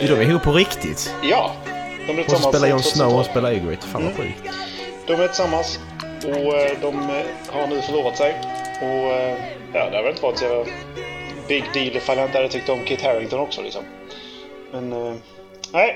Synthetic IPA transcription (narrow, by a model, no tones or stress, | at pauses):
jd̪ɔmɛɾɦuːppʰːɔɾɪkt̪ɪ̰t̪jɑːd̪̥ɔmæɪsasmːapeːlajɔnsnaʊɔspeːlaɛɡɪ̰t̪fa̰ːnvaɧʉ̰ːkt̪ | d̪̥ɔmæɾt̪ʰɪ̥samːas | ɔd̪ɔm | haɾɳʉ̟ːfœɭuːɾat̪sɛjɔ | jɑ̰ːd̪ɛhaɾvɛlɪnəvɑːɾɪt̪sɛvəɾ | bɪɡd̪iːlfaljaɪnt̪əæɾɛt̪ʏk̚t̪əɾɔmkʰɪt̪hæɾɪŋt̪ɔnɔksɔ̰lɪ̰ksɔ̰m | mɛn | næɪ